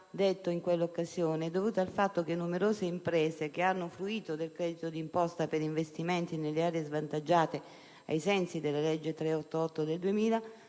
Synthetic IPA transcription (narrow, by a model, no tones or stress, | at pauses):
d̪et̪ːoiŋkwelːokːazjoːneɛd̪ːovuːt̪aalfat̪ːok̟enːumeɾoːzeimpɾeːsek̟eanːofɾuiːt̪od̪elkɾɛːd̪it̪od̪impɔst̪apeɾiɱvest̪iment̪inelːeaːɾeezvant̪ad͡ʒːaːt̪e | a̰jsɛnsid̪elːaled͡ʒːet̪ɾeɔt̪ːoɔt̪ːod̪eld̪uemiːla